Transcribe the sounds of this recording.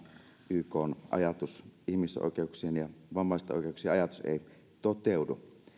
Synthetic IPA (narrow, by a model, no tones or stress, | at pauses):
ʔyːkoːnʔɑ̰jɑt̪usʔihmiso̰ˑikeuksieːnjɑʋɑmːɑˑist̪ɑʔo̰ˑikeˑuksieːɑjɑt̪u̥sḛˑi | t̪ot̪eudu